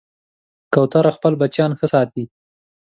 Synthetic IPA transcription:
kawt̪aɾaxpəlbat͡ʃjɑnxəsɑt̪̚i

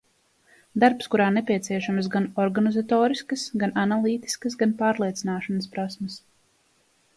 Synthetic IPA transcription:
d̪aɾpskuɾaːnɛpʲiɛt̪siɛʃamsɡanɔɾɡanizat̪ɔːɾiskəsɡanʔanalˠiːt̪i̥skəsɡanpaːɾlˠiɛt̪sinaːʃɐnəs̬pɾasmɐs

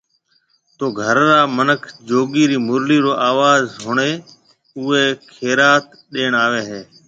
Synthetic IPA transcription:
t̪oːɡʱəɾɾaːmənəkʰd͡ʒoːɡiːɾiːmʊɾliːɾoːʔaːʋaːzɦʊɳeː | ʊeːkʰeːɾaːt̪ | ɗeːɳaːʋeːɦeː

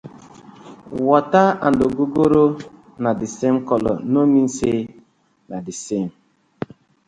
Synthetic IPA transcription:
wɔtaandoɡoɡoɾo | nadisemkɔlɔ̰nomin̩se | nadisem

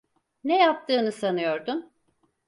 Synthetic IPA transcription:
nɛjap̚t̪ʰɯːnɯsanɯjo̞ɾd̪ʊm

